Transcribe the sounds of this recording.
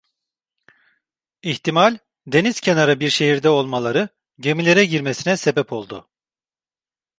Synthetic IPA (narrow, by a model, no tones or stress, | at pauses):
içt̪ʰimalʲ | d̪e̞niz̥cʰe̞naɾabiɾʃe̞ɦiɾd̪ɛo̞lˠmalˠaɾɯ | ɟe̞milʲe̞ɾɛɟiɾmesinɛse̞bɛpʰo̞lˠd̪ʊ̰